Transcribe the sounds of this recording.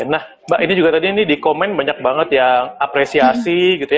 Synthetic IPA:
nah | baʔinid͡ʒuɡat̪adiːnidikomɛnbaɲak̚baŋət̪jaŋapɾesiasiɡit̪uja

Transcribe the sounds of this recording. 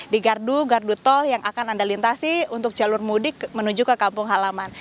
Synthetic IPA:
diɡarduɡardut̪ɔljaŋʔakanandalint̪asiunt̪ʊk̚d͡ʒalʊrmudɪk̚mənud͡ʒukəkampʊŋɦalaman

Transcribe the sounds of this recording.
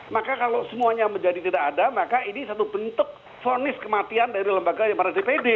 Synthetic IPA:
makakalosəmuaɲaməɲd͡ʒadit̪idakadamakainisat̪ubənt̪ʊk̚ | fonɪskəmat̪iandaɾiləmbaɡajaŋmərnasdipedɪ

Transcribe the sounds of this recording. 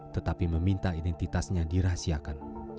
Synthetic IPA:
t̪ət̪apiməmint̪aidɛnt̪it̪asɲadiɾasiakan

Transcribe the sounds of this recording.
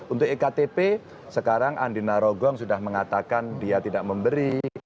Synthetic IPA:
unt̪ʊk̚ekat̪epe | səkaɾaŋʔa̰ndinaɾoɡɔŋsudahməŋat̪akandiat̪idaʔ̚məmbəɾi

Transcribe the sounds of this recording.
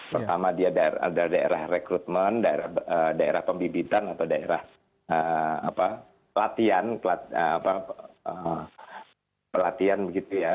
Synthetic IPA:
pərt̪amadiadaa̰daladaḛɾahrekɾut̪̚məndaḛɾahədaeɾahpəmbibit̪anat̪awdaeɾa̰h | əapa | əlat̪ianpəlat̪əapaə | pəlat̪ianbəɡit̪uja

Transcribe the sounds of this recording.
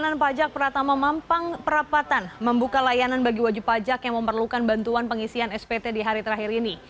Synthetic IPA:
nanpad͡ʒak̚pəɾat̪amamampaŋpəɾapat̪anməmbukalajananbaɡiwad͡ʒupad͡ʒakjaŋməmpərlukanbant̪uanpəŋisiɦanɛspet̪ediɦaɾit̪əɾaɦiɾini

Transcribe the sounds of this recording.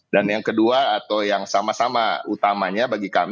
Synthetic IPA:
danjaŋkəduaːt̪awjaŋsamasama̰ut̪amaɲabaɡika̰m

